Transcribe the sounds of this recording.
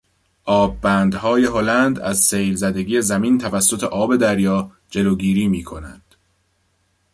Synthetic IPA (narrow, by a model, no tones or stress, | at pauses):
ʔɒːbːæːnd̪hɒːje̞ɦo̞lænd̪æzsejlzæd̪e̞ɡiːe̞zæmiːnt̪ʰævæsːo̞t̪ʰe̞ʔɒːbe̞d̪æɾjɒː | d͡ʒe̞loːɡiːɾiːmiːkʰonæ̰nd̪̥